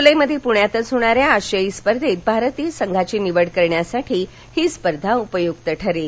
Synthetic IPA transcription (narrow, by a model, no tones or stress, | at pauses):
uləjməd̪ʱjepuɳjat̪ət͡sɦoɽ̃aɾjaəɕəispəɾd̪ʱet̪̚bʱaɾət̪iːəsəŋɡʱat͡ɕiːniʋəɽkəɾɳjasaʈʰiː | hiːspəɾd̪ʱaupəjuɡt̪əʈʰəɾe